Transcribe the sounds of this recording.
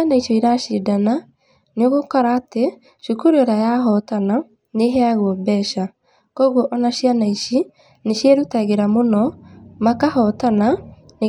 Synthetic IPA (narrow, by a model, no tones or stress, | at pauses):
anaiʃɔiɾaʃidana | neoɣokɔɾaːte | ʃukuɾuɔɾajaɦɔtana | neɦɛaɣwɔbɛːʃa | kɔɣwɔʔɔnaɕianaiʃi | neʃjeɾutaɣeɾamonɔmakahɔtana | ne